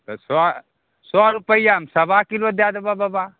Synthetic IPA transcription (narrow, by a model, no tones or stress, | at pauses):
t̪ɔsɔ | sɔaɾupəijamsəbakilod̪ad̪ebababa